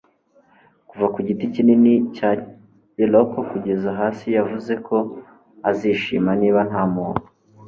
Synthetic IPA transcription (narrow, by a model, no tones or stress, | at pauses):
kuvakuɟiticininica | elokokuɟe̞zaɦaːsijavuze̞kʰo̞ | aziːʃimaniːβanhamuːno